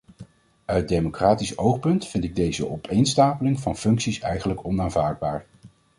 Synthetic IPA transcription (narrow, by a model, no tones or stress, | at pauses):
œɥ̚dejmokraːtisowχpɵntfɪntɪɡ̚dejzəʔɔpʰejnstaːpəlɪŋvɑnfɵŋksisɛ̰jχənləkɔnaːnvaːɹd̚baːɹ